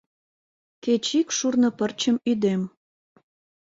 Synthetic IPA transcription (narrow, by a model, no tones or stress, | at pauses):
ket͡ɕikʃurnɤ̆pərt͡ɕəmyd̪em